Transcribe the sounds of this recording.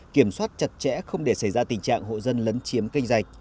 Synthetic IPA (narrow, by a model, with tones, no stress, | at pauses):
ki˧˩əmswaː˦˥t̚t͡ɕə˨˩t̚t͡ɕɛ̰˧˥xə˧wŋ͡mɗe˧˩sa˧˩jzaː˧t̪ï˨˩ŋ̟t͡ɕa̰ː˧˨ŋɦo̰˧˨zə˧nləː˨˦nt͡ɕi˨˦əmki˧jŋ̟za˨˩jk̚